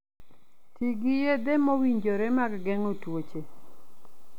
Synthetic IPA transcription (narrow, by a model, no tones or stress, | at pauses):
tiɡijed̪emɔwiɲd͡ʒoɾemaɡɡɛŋotwot͡ʃe